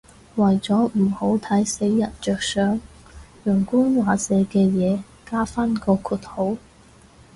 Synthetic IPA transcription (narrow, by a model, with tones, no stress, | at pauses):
wɐ˨˩jt͡sɔː˨˥m̩˨˩ho˨˥wt̪ʰɐ˨˥jse˨˥jːɐ˨t̚t͡ʃœː˨k̚sœː˨˥ŋ | jœː˨˩ŋkuː˥nwaː˨˧t͡sɛː˨˧kɛː˧jɛː˨˧ | kaː˥faː˥nkɔː˧kʰuː˨˧t̚ho˨˥w